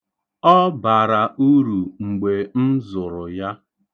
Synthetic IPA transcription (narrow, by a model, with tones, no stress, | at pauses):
ɔ˦ba˨ɾa˨ʔu˦ɾu˨ŋ͡m̩˨ɡ͡be˨n̩˦zʊ˨ɾʊ˨ja˦